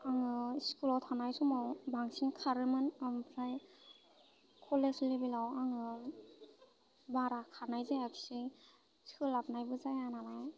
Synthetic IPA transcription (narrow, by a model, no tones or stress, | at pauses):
aŋɯskulɔtʰanajsumawbaŋsinkʰaɾɯmɯnampʰɾaj | kʰɔleslibilawaŋɯ | baɾakʰanajzajakʰi̥sɯj | skɯlap̚najbɯzajanalaj